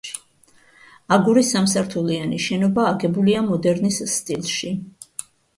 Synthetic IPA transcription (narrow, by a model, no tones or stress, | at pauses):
aɡuɾisamsaɾt̪ʰulianiʃɛnɔbaːɡɛbuliamɔd̪ɛɾnisːt̪ʼilˠʃi